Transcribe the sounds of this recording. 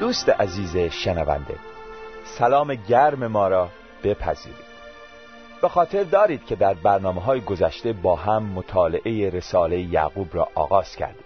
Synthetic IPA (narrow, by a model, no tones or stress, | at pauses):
d̪̥uːst̪eʔæziːzeʃenævæ̰nd̪ḛsælɒːmeɟæɾme̞mɒːɾɒː | b̥e̞pʰæ̰zḭːɾiːd̪̥ | b̥e̞xɒːt̪ʰe̞ɾd̪ɒːɾiːd̪̥cʰe̞d̪æɾbæɾnɒːmeɦɒːjeɡozæʃt̪e̞bɒːɦæmːot̪ʰɒːleʔejeɾe̞sɒːle̞jejæ̰ːɣuːbɾɒ̰ːʔɒ̰ːɣɒːz̥kcʰæ̰ɾd̪e